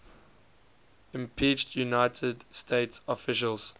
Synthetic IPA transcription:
ɪ̃mpʰiˑt͡ʃtʰjunaɪtʰədstʰeɪtsɔfɪʃəlˠz̥

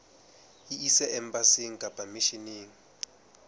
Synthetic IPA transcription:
iisɛʔɛmbasiŋ̩kʼabʼamiʃiniːŋ̩

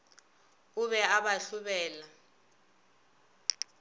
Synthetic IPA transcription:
uɓɛaɓaɬuɓɛːla

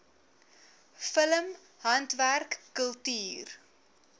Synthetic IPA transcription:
fələm | ɦɐntværkːəlˠtiːr

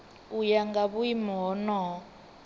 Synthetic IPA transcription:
ujaŋɡaβuimɔːnɔː

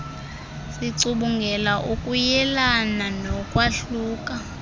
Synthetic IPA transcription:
siǀuɓuŋɡʱɛlaʔukʼujɛlananɔkʼwaɬuːkʼa

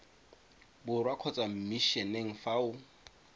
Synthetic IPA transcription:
bʊrwakʰɔt͡sʼam̩miʃɛneŋ̩faʊ

